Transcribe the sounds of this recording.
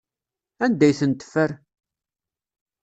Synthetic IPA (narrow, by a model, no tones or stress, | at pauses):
ænd̪æjθənt̪ːə̥fːəɾ